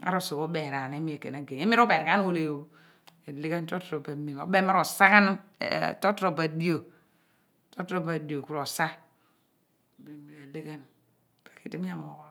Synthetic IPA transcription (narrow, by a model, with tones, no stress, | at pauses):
a̰˦ɾo˦so˨o˦be˨ɾa˨n˨e˦mi˦e˨ke˨na˨ɡe˨e˦mi˦ɾu˦pe˨ɾka˦n˦wo˦˨le˨wo˦ | e˨le˦ɡe˦nto˦tɾo˨ba˨mi˨o̰˨˦be˦ma˦ɾo˨sa˦ka˦n̰˦˨to˦tɾo˨ba˨di˦o˨ | to˦tɾo˦˨ba˨di˨o˨ku˦ɾo˨sa˦˨ | be˨mi˨ɾe˨le˦ɡe˦n | pḁ˨ki˨te˦m˦a˦˨mo˨ko˦